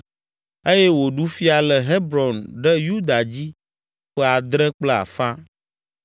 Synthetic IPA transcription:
e˦je˦wo˨ɖu˦fi˦a˨lə˨ɦe˦bɾɔ˨nɖɛ˦ju˦d̪a˨d͡ʑi˦ | ɸɛ˦a˨d̪ɾɛ˦k͡plɛ˦a̰˨fã˦

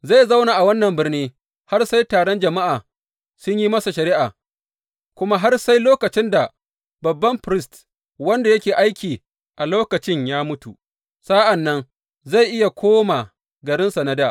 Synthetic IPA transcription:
za˦˨jzɐ˦wnaː˨ʔa˨wɐ˦nːɐ˨mbɪ˦rniː˦ | ha˦rsa˦jtaː˨ɽɔ˦nd͡ʒɐ˨ma˦ʔaː˨ | sʊ˦ɲjiː˦mɐ˦sa˨ʃɐ˨ɾɪ˦ʔaː˨ | kʷʊ˦ma˦ɦa˦rsa˦jloː˦kɐ˨t͡ʃɪ˦nda˨ | bɐ˨bːɐ˦mɸɾɪ˦st | wɐ˦nda˨jɐ˦kʲeː˨ʔa˦jkʲiː˨ | ʔa˨loː˦kɐ˨t͡ʃɪ˦ɲjaː˦mʊ˦tu˨ | sa˦ʔɐ˨nːɐ˦n | za˦˨jʔɪ˦ja˨kʷʰoː˦ma˨ | ɡɐ˨ɾɪ˦nsɐ˨na˦daː˦˨

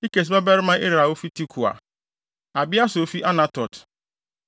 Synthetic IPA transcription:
i˦ke˨s̬ba˦bɛ˦ɾɪ˦mã˦ʔe˦ɾa˨wo˦fi˦ti˦kʰu˨a̰˨ | a˨bɪ˦a˦sʊ˨o˨fi˦ʔa˦nã˨tɔ˨t

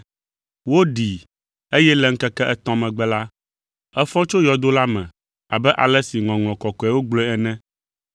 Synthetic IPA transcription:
wo˦ɖi˨ | e˦jɛ˦lɛ˨ŋ̩˦kɛ˦kɛ˦ʔɛ˦t̪ɔ̃˦mɛ̃˨ɡ͡bɛ˦la˦ | ɛ˦fɔ̃˦t͡ʃo˦jɔ˨d̪o˦la˦mɛ̰̃˨ | a˨bɛ˦ʔa˨lɛ˦si˨ŋɔ̃˨ŋɔ̃˨kɔ˨kɔ˨ɛ˨˦wo˦ɡ͡blɔ˦ɛ˦ɛ˨nɛ̃˦

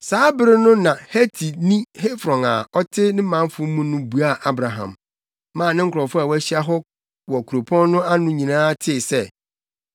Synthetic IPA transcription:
saː˨˦bɪ˦ɾɪ˦nʊ̃˦nã˨hɛ˦tʰi˨nĩ˦he˦fɾɔ̃˨ŋa̰˨ɔ˦tʰɪ˦nɪ̃˦mã˨˦m˦fʊ˦mũ˦nʊ̃˦bu˨a˦˨ʔa˦bɾa˨ɦã̰˨m | mãː˦˨nɪ̃˦ŋ̩˦kʰʊɾɔ˨fʊ˦a˨wæ˦ɕi˦a˦ɦɔ˦ | wɔ˨kʰu˨ɾo˨pʰɔ̃˦n˦nʊ̃˦a˦nʊ̃˦ɲĩ˨nãː˦tʰɪ˦˨sɛ˦˨

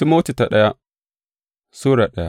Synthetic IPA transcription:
i˦mo˦ti˨ta˨ɗɐ˦ja˦ | su˦ɾa˨ɗɐ˦ja̰˦

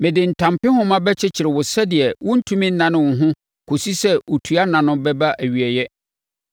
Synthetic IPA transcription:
mɪ̃˨dɪ˨n̩˨tʰã˨mpɪ̃˦hʊ̃˦mã˦bɛ˦t͡ɕʰɪ˦t͡ɕʰɪ˨ɾɪ˨wʊ˨sɛ˦dɪ˨ɛ˨wʊ̃˦n̩˦tʰũ˦mĩ˦n̩˦nã˨nʊ̃˦wʊ̃˨ɦʊ̃˦ | kʰo˨si˦sɛ˦o˨tʰu˨˦a˦nã˨nʊ̃˦bɛ˦ba˦ʔæ˨ɥi˨ɛ˨jɛ˦

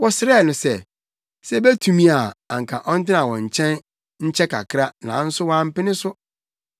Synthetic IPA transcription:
wɔ˦sɪ˦ɾɛ˦˨nʊ̃˨sɛ˦ | sɛ˦be˦tʰũ˨mĩ˦a˨a̰˨ŋ̩˨kʰa̰˨ʔɔ˦n̩˦tɪ˦nã˨wɔ̰̃˨ɲ̩˨t͡ɕʰɛ̃˦n | ɲ̩˦t͡ɕʰɛ˦kʰa̰˨kʰɾa˦nã̰ː˨˦n̩˦sʊ˦wã˦m̩˦pɪ˦nɪ̃˦sʊ˦

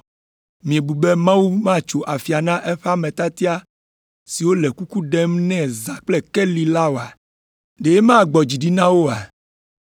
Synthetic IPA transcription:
mĩ˨e˨bu˨be˦mã˦wu˦mã˦˨t͡ʃo˨ʔa˨fi˨a˨nã˦ʔɛ˦ɸa˦mɛ̃˨t̪a˦t̪i˦a˦ | si˨wo˦lɛ˨ku˦ku˦ɖɛ˦mnɛ̃˦˨za˨k͡plɛ˦kɛ˦li˦la˦wo˨a˨ | ɖe˨je˦mã˦˨ɡ͡bɔ˨d͡ʑi˨ɖi˦nã˦wo˦a˨

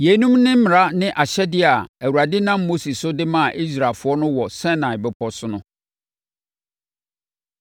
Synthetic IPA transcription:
je˨˦nũ˦mnɪ̃˦m̩˦mɪ̃˨ɾa˦nɪ̃˦ʔa˨ɕɛ˦dɪ˦a˨æ˨wu˨ɾa˨dɪ˦nã˦mːo˦si˨sʊ˦dɪ˦mã˦˨ʔi˦s̬ɾa˨lfʊ˨˦ɔ˦nʊ̃˦wɔ˨sɛ̃˦nã˨ɪ˨bɛ˦pʰɔ˦sʊ˦nʊ̃˦

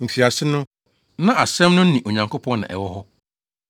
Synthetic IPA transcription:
m̩˨fi˨a˨sɪ˦nʊ̃˦ | nã˦ʔa˨sɛ̃˦mnʊ̃˦n̩˦nĩ˨ʔo˨ɲã˨ŋko˦pʰɔ̃˦nnã̰˨ʔɛ̰˨wɔ˦hɔ˦

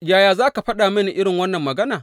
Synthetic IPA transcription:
jaː˦jaː˨zaː˦ka˨ɸɐ˦ɗaː˨mɐ˦ni˨ʔɪ˦ɽɪ˨ŋwɐ˦nːɐ˨mːɐ˨ɡɐ˦naː˨

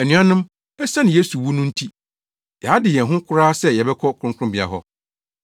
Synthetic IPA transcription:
æ˨nũ˦ã˦nʊ̃˦m | ɛ˦sã˦nɪ̃˨je˦su˨wu˦nʊ̃˦n̩˦tʰi˦ | jɛ˨a˦dɪ˨jɛ˨ɦʊ̃˦kʰʊ˦ɾaː˦sɛ˦jɛ˨bɛ˦kʰɔ˦kʰʊ̃˦ŋ˦kʰɾʊ̃˦bi˨a̰˨ɦɔ˦

